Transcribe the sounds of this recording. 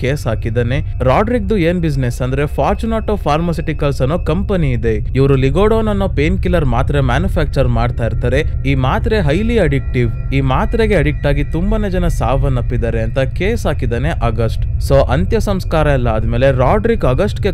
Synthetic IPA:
keːsɦaːkid̪aːne̞ | ɾaːɖɾik̚d̪ueːnbid͡ʒnesɐnd̪ɐɾe̞pʰaːɾt͡ʃunaːʈopʰaːɾmɐsiʈikɐlsɐnːokɐmpɐniːd̪e̞iʋɐɾuliɡoːɽoːnɐnːoːpeːnkilɐɾmaːt̪ɾemaːnjupʰaːk̚t͡ʃɐɾmaːɖt̪aːjiɾt̪aːɾe̞iːmaːt̪ɾe̞ɦɐjliɐɽik̚ʈiʋ | iːmaːt̪ɾeɡe̞ɐɽik̚ʈaːɡit̪umbɐned͡ʒɐnɐsaːʋɐnːɐpːid̪aːɾeɐnt̪ɐkeːsaːkid̪aːne̞ʔɐɡɐsʈsoːʔɐnt̪jɐsɐmskaːɾɐɛlːɐːd̪me̞ːle̞ɾaːɖɾikɐɡɐsʈɡe

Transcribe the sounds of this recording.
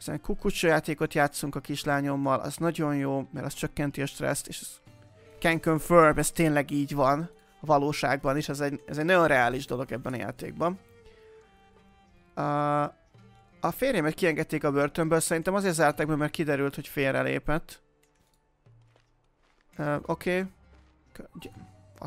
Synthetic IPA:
zḛŋkukut͡ʃojaːt̪eːko̞t̪jaːt̪suŋkɒkiʃlaːɲo̞mːɒlʔɒ̰znɒɟo̞njoːmɛɾʔɒst͡ʃøkːɛnt̪iɒʃt̪rɛ̰st̪eːʃɛ | kɛŋkøɱførbɛst̪eːnlɛɡiːɟvɒn | vɒloːʃa̰ːɡ̚bɒniʃɛzɛɟɛzɛɟnɒjo̞nrɛaːliʒd̪o̞lo̞ɡɛbːɛnɒja̰ːt̪ḛːɡ̚bɒn | ɒfeːrjɛmɛt̪kiɛŋɡɛt̪ːeːkɒbørt̪ømbøːlsɛɾint̪ɛmɒzeːrt̪zaːrt̪aːɡ̚bɒmːɛrkid̪ɛɾylt̪ho̞cfeːrɛ̰lḛːpɛt̪ː | øʔo̞kʰeː | k

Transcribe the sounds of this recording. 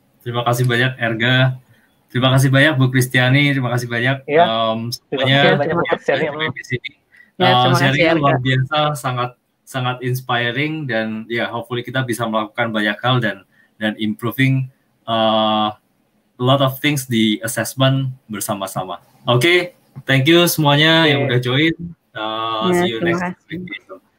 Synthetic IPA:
t̪əɾimakasɪhbaɲak̚ɛrɡa | t̪əɾimakas̬ɪhbaɲak̚bukɾist̪ianit̪ɾimakas̬ɪhbaɲak̚əmsəmaɲa | adisini | əsaɾialuarbiasasaŋat̪̚ | saŋat̪inspajəɾɪŋdanjaɦop̚fulikit̪abisaməlakukanbaɲakhaldan | danimpɾufɪŋ | ə | əlɔt̪ɔft̪ɪŋsdiəsɛsmənbərsamasa̰ma̰ | oke | t̪ɛŋk̬jusəmuaɲajaŋudahd͡ʒoɪn | əijunɛksɛlikeʃəm

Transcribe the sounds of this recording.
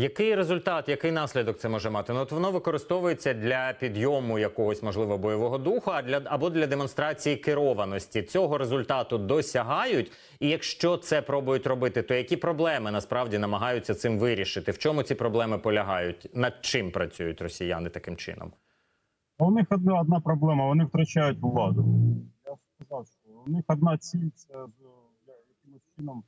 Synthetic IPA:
jɐkɪjɾezʊlʲt̪ɑt̪jɐkɪjnɑsʲlʲid̪ɔk̚t̪sɛmɔʒɛmɑt̪ɪnɔt̪ʋɔnɔʋɪkɔɾɪst̪ɔʋʊjet͡sʲːɐd̪lʲɐpʲid̪jɔmʊjɐkɔɦɔsʲmɔʒlˠɪʋɔbɔjɔʋɔɦɔd̪uxʊɐd̪lʲɐɐbɔd̪lʲɐd̪emɔn̪st̪ɾɑt͡sʲijikɪɾɔʋɐnɔsʲtʲit͡sʲɔɦɔɾezʊlʲt̪ɑt̪ʊd̪ɔsʲɐɦɑjʊtʲ | ijɐkʃt͡ʃɔt̪sɛpɾɔbʊjʊtʲrɔbɪt̪ɪt̪ɔjɐkʲipɾɔblˠɛmɪnɐspɾɑʋdʲinɐmɐɦɑjʊtt͡sʲːɐt̪sɪmʋɪɾʲiʃɪt̪ɪwt͡ʃɔmʊt͡sʲipɾɔblˠɛmɪpɔlʲɐɦɑjʊtʲnɐd̪̚t͡ʃɪmpɾɐt͡sʲujʊtʲrɔsʲija̰nɪt̪ɐkɪmt͡ʃɪ̰nɔ̰m | wnɪxɔd̪nɔd̪nɑpɾɔblˠɛmɐʋɔnɪwt̪ɾɐt͡ʃajʊtʲʊlˠɑd̪ʊjaskɐzɑwʃt͡ʃɔwnɪxɔd̪̚nɑt͡sʲilʲt̪sɛz | jjɐkɪmʊsʲt͡ʃɪnɔm

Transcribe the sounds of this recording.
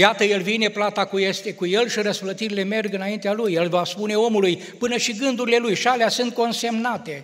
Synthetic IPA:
jat̪əje̞lvine̞plat̪akuje̞st̪e̞kuje̞lʃiɾəsplət̪iɾile̞me̞rɡɨnaint̪ealujːe̞lvaspune̞o̞muluj | pɨnəʃiɡɨnd̪uɾile̞lujʃaleasɨnt̪̚ko̞nse̞mnat̪e̞

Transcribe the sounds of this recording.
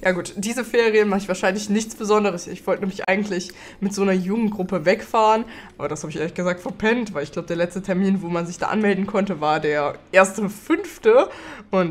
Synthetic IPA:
jaːɡuːtd̥iːzəfeːʁijənmaχəɪçv̥aːɐʃaɪnlɪçnɪçt͡sb̥əzɔndəʁəsɪçv̥ɔltənɛmɪçʔa̰ɪɡŋ̩tlɪç | mɪtz̥oːnɐjʊɡŋ̩ɡ̥ʁʊpəvɛkfaːʁənʔaːbɐdashaːbɪçʔḛːɐlɪçɡəzaːk̚tfɛɐpʰɛntv̥aɪlɪçɡ̥laʊbəd̥eɐlɛt͡stətʰɛɐmiːnvoːmanzɪçd̥a̰ːʔa̰nmɛldn̩kʰɔntəvaːɐdeːɐʔeːɐstəfʏnftəʔʊnt

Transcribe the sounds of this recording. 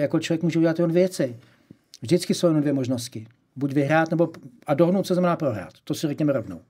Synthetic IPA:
jakot͡ʃlovjɛkmuːʒɛuɟɛlat̪jɛonvɛjɛt͡sɛ | vʒdɪt͡skɪsowjɛnomdvjɛmoʒnost̪cɪ | buɟvɪɦɾaːt̪nɛbo̞ʔadoɦodnowt̪sɛznamɛnaːpɾoɦɾa̰ːt̪ːosɪrɛkɲɛmɛɾovno̰w

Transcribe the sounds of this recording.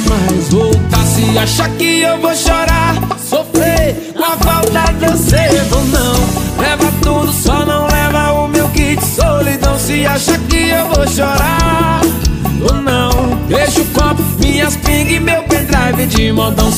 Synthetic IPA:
majzvot̪asɪaʃakɪewvoʃɔɾasofɾẽ | afawt̪ad̪ɐsevonɐ̃w̃lɛvɐt̪ud̪ʊsɔnɐ̃w̃lɛvɐʊmewkit͡ʃɪ̥solid̪ɐ̃w̃sɪaʃakɪewvoʃɔɾa | onɐ̃w̃beʃʊkɔpmĩɲɐspĩɡɪmewpẽnd̪ɾavɪd͡ʒɪmɔd̪ɐ̃w̃

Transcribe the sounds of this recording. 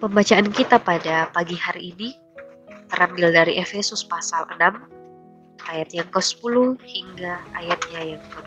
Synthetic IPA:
pəmbat͡ʃaankit̪apadapaɡihaɾiʔːni | t̪əɾambɪldaɾiʔefesʊspasalə̰nam | ʔajat̪̚jaŋkəsə̥puluhhiŋɡaajat̪̚ɲajaŋkəd

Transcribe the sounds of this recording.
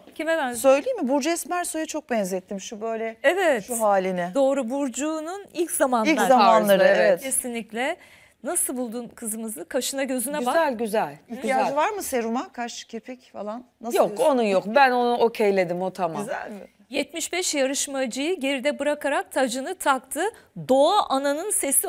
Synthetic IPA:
cʰimɛvænsø̞jlʲijimibuɾd͡ʒɛsmæɾsojut͡ʃʰo̞k̚bɛnzɛt̪ʰːimʃubø̞jlʲɛevɛt̪ʃuɦaːlʲinɪd̪o̞ːɾubuɾd͡ʒuːnunilʲcz̥amanilʲˠzɾzamanlˠaɾˠɯevɛɛt̪cʰesinlʲiclʲɛ | nasɯlˠbulˠd̪unkʰɯzɯmɯzɯkʰaʃɯnaɟø̞zynɛbakzælʲɟyzælʲad͡ʒvaɾmɯseɾumakʰaɾʃcʰepʰɛcfalˠanːajoko̞nujokbæno̞nuʔocʰejlʲe̞d̪imo̞t̪ʰamamz | jɛt̪miʃbɛʃjaɾɯʃmad͡ʒɯjɯɟe̞ɾid̪ɛbɯɾakʰaɾak̚t̪ʰad͡ʒɯnɯt̪ʰakt̪ʰɯd̪o̞aʔananɯnse̞si

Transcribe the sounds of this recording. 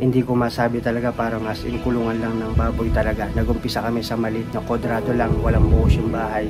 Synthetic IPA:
hɪnd̪ikʊmaːsaːbɪt̪ɐlɐɡapaːɾɐmɐsʔɪnkʊluŋɐnlɐŋnɐŋbaːbojt̪ɐlɐɡanɐɡʔʊmpɪsakɐmɛsɐmɐlɪt̪̚nɐkod̪ɾaːd̪olaŋwɐlaŋbʊʔʊsjʊŋbaːhɐj

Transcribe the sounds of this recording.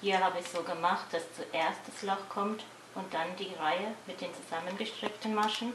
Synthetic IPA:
hiːɐhaːbəɛçz̥oːɡəmaχt̚d̥ast͡suʔeːɐst̚d̥aslɔχkʰɔmt | ʔʊnt̚d̥andiːʁaɪəmɪt̚d̥eːnt͡suzamənɡəʃtʁ̥ɪktn̩maʃn̩

